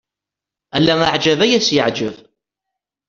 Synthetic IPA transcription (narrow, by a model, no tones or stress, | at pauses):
ælːæmaʕd͡ʒævæjæsjəʕd͡ʒəv